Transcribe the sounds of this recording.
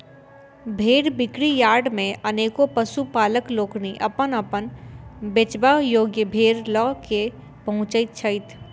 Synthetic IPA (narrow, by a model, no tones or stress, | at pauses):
bʱeːɾbɪkɽijaːɖmẽʔɐneːkopəsupaːləkloːkniʔɐpənəpənbet͡ʃbaːɦjoːɡjəbʱeːɾlɔːke | pɐɦʊ̃t͡ʃəit̪̚t͡ʃʰəɪt̪ʰ